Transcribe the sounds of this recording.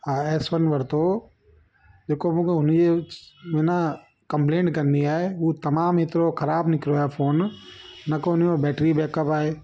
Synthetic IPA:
aːɛːsʋənʋɐɾt̪o | d͡ʒeːkomũkeɦʊnemeːna | kɐ̃mplẽːɳʈkɐ̃nd̪iaːeuːt̪ɐmaːmɦɪt̪ɾoxɐɾaːbnɪkɾoafʰoːnː | ɐkoɦʊnjobɛːʈɾibɛːkəpaːɦeː

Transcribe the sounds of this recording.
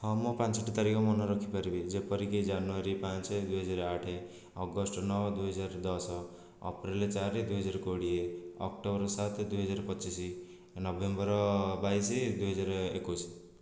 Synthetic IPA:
hɔmopansɔʈit̪aɾikɔmɔnɔɾɔkʰipaɾibid͡ʒepɔɾikid͡ʒanuaɾipãnt͡ʃed̪uɦɔd͡ʒaɾaʈʰe | ɔɡɔsʈɔnɔwd̪uɦɔd͡ʒaɾd̪ɔsɔ | ɔ̰pɾilt͡ʃaɾed̪uɦɔd͡ʒaɾɔkoɽieɔkʈobɾɔsat̪d̪uɦɔd͡ʒaɾɔpɔt͡ʃisi | nɔbʱembɔɾɔbaised̪uɦɔd͡ʒaɾɔekus

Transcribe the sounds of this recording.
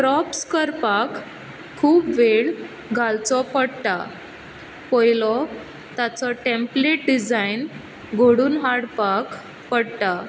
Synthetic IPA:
kɾɔpskəɾpakʰː | uːbʋeɭ | ɡʱalt͡sɔpəɽʈ̪a̰ | pɔjlɔ | t̪at͡sɔʈempleʈ̚ɖid͡zajn | ɡʱoɽuːnɦaɽpak | pəɽʈ̪a

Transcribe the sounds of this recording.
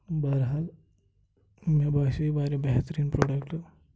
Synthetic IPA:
baɾɦal | mebasuibaːɾebɛɦt̪əɾiːnpɾoːɖekʈ

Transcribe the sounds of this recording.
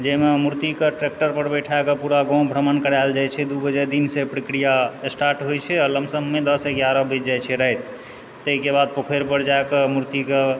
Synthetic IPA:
d͡ʒememuɾt̪ikeʈɾek̚ʈəɾpəɾbəʈʰaekəpuɾaɡɔ̃w̃bʱɾəmankəɾajld͡ʒajt͡ʃʰɛd̪ubəd͡ʒɛd̪insepɾəkɾijaesʈaɾʈɦojt͡ʃʰɛləmsəmːed̪əseɡjaɾɔbid͡ʒd͡ʒajt͡ʃʰɛɾəɦjt̪ː | əɦkebad̪̚pəkʰeɾpəɾd͡ʒaekemuɾt̪ike

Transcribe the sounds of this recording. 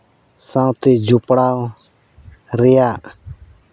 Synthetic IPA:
sãw̃t̪ɛd͡ʒupɽaw | ɾɛjaʔ

